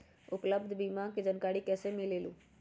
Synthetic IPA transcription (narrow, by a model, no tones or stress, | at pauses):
ʊpləbd̪biːmãːkɪd͡ʒənkaːɽiːkɛːseːmileːlũː